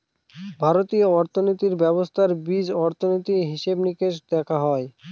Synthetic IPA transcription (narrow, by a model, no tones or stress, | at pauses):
bʱaɾot̪ioɔɾt̪ʰonit̪iɾbɛbost̪ʰaɾbid͡ʑɔɾt̪ʰonit̪iɦiʃebnikeʃd̪ɛkʰaɦɔe